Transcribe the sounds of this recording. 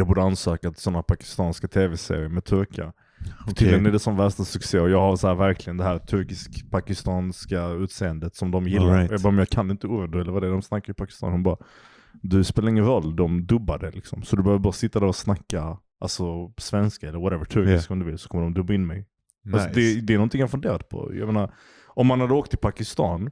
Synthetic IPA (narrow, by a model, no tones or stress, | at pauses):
jɑɡbuːɖəansøːkat̪sɔnːapʰakɪ̥st̪ɑːnskat̪ʰeːvɛsḛːɾɪəɾmɛt̪ʰɵɾkɪa̰ | t̪ʰɪlːɛnɛɖɛsɔmvæʂt̪asɵkseːɔjɑːɡhaɾsɔæːɾvæɾkʰlɪɡənd̪ɛɦhæːɾt̪ʰɵɾkɪskpʰakɪst̪ɑːnskaʉːt̪seːənd̪ət̪sɔmd̪ɔmjɪlːajɑɡbɑːɾmmjɑːɡkʰanːɪnt̪əuːɾɛd̪ɛləɾvaːd̪ɛd̪ɔmsnakːaɾjʏpʰakɪ̥st̪ɑ̰ːnhʊnbɑːɾa | d̪ɵspeːlaɾɪŋːənɾɔlːd̪ɔmd̪ɵbːad̪əlɪksɔmsɔd̪ɵbɛhœvəbɑːɾasɪt̪ːad̪æɾɔsnakːa | ʔalsɔsvɛnskaɛləɾwaɾɛvəʈʰɵɾkɪskɔmd̪ɵvɪlsɔkʰɔmːəɖɔmd̪ɵbːaɪnmɛj | asɔd̪ɛd̪ɛɾnɔnt̪ʰɪŋjaɾfɵnd̪eːɾat̪pʰɔ̰ja̰jmeːnaɾ | ʔɔmhanhad̪ːəoːk̚t̪ʰːɪlpʰakɪst̪ɑ̰ːn